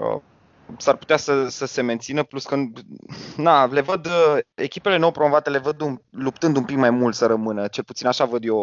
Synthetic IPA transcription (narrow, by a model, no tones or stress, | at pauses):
o̰ | sarput̪easəsəse̞me̞nt̪sinəpluskən | nale̞vəd̪əe̞̰kʲipe̞le̞nowpɾomovat̪e̞le̞vəd̪umlup̚t̪ɨnd̪umpikmajmult̪səɾəmɨnət͡ʃe̞lput̪sinaʃavəd̪jo